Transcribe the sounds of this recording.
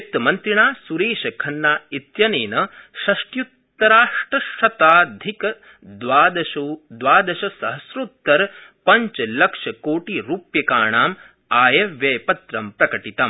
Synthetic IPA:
t̪mɐnt̪ɾiɳaːsuɾeːʃɐkʰɐnːaːit̪jɐneːnɐʃɐʂʈjut̪ːɐɾaːʂʈɾɐʃɐt̪aːd̪ʱikɐ | d̪ʋaːd̪ɐʃud̪ʋaːd̪ɐʃɐsɐɦɐsɾuːt̪ːɐɾpɐɲt͡ʃɐlɐkʂɐkoːʈiɾuːpjɐkaːɳaːm | aːjɐʋjeːpɐt̪ɾɐmpɾɐkɐʈit̪ɐm

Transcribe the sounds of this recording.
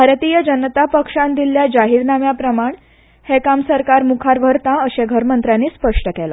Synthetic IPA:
bʱaɾt̪ijəd͡ʑənət̪apəkʂãnd̪iljad͡ʑaɦiɾnamjapɾəmaɳ | hekamsəɾkaɾmukʰaɾʋʱəɾt̪ãəɕeɡʱəɾmənt̪ɾjanːiːspəʂʈəkɛla̰

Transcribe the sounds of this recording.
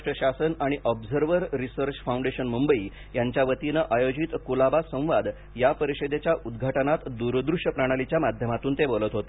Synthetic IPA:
ʂʈəɕasənaɽ̃iʔɔbd͡zəɾʋəɾːisəɾt͡ɕfaũɳɖeɕənmumbəi | jaɲt͡ɕjaʋət̪inəʔajod͡ʑit̪kulabasə̃ʋad̪ | japəɾiɕed̪et͡ɕjaud̪ɡʱaʈənat̪d̪uɾd̪ɾuʂəpɾaɽ̃alit͡ɕjamad̪ʱjəmat̪uːnt̪ebolət̪ɦot̪o

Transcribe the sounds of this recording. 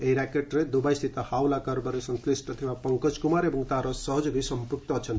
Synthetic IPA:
eɦiɾakeʈɾed̪ubajst̪ʰit̪ɔhawlakɔɾboɾesʌnslisʈʌt̪ʰibapʌŋkʌd͡ʒkumaɾebʱʌŋt̪aɾɔsʌɦʌd͡ʒbʱisʌmpuk̚t̪ʌt͡ʃʰʌn

